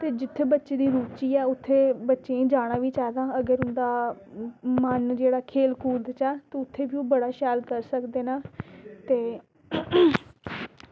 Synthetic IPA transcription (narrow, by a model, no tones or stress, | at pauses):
t̪eːd͡ʒɪt̪ʰːeːbətːʃeːd̪iːɾuːt͡ʃiːɛːʊt̪ʰːeːbətːʃẽːd͡ʒaːɽ̃aːʋiːt͡ʃɛːd̪ãːəɡəɾʊnd̪aː | mənd͡ʒeːɽaːkʰeːlkuːld̪t͡ʃɛːt̪eːʊt̪ʰːeːbiːõːbəɽaːʃɛːlkəɾsəkd̪eːnaːt̪eː